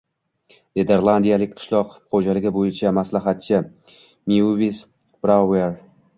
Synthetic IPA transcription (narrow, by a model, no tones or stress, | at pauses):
nʲed̪eɾlˠand̪ijalɪk̚ʲqʰɨ̥ʃlˠɒqχod͡ʒalɪɡʲɪbojɪt͡ʃʰamaslaɦat̪̚t͡ʃʰɪ | miuvis | b̥ɾaweɾ